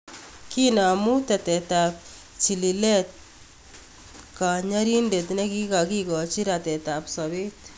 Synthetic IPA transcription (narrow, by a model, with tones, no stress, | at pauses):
ki˦na˨mu˦t̪a˨t̪ɛ˨t̪a˨p̚ | t͡ʃi˨li˨le˦t̪̚ | ka˨ɲa˦ɾi˦nde˨t̪̬ne˦ki˦ka˨ki˦kɔ˨t͡ʃi˦ɾa˨t̪ɛ˨ta˨psɔ˨be˦t̪